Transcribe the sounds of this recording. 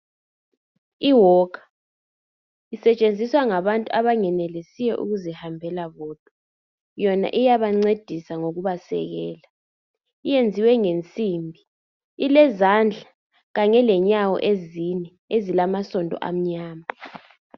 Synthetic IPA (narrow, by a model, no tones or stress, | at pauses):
iwɔːkʰḁ | isɛt͡ʃʼend͡zʱiswaŋaβantʼuaβaŋɛnɛlisijɛ̰ʔṵɣuzihambʱɛlaβɔːd̥ʱɔ | jɔna̰ʔijaβaŋ͡ǀed̥ʱisaŋoɣuβasɛ̰ɣɛ̰ːla | ijend͡zʱiwɛŋent͡sʼimbʱi | ilɛzand͡ɮʱa | ɣaɲɛlɛɲawɔ̰ʔezinɛ | ezilamasɔndʱɔ̰ʔa̰m̩ɲaːma